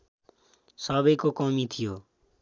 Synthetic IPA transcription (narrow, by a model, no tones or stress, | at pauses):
sɔːbəikoːkɔːmĩːt̪ʰijoː